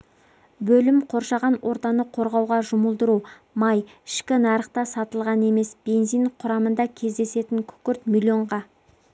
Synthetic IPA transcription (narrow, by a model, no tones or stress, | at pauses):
bɵlɪmqʰo̞ɾʃɑʁɑnwʔo̞ɾt̪ɑnəqʰo̞ɾʁɑwʁɑʒʊməlˠd̪əɾu | mɑjɪʃkʲɪnɑɾəqt̪ɑsɑt̪əlˠʁɑne̞me̞sb̥e̞nziɴqʰʊɾɑmənd̪ɑkʲʰe̞zd̪e̞se̞t̪ɪŋkʲʰʏ̥kʲɪɾt̪mʲilʲjo̞ɴʁɑ